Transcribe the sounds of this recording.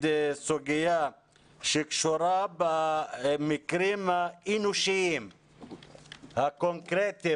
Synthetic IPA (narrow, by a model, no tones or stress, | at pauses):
d̪esoɡija | ʃikʃoɾabamikɾimainuʃim | hakoŋkɾet̪e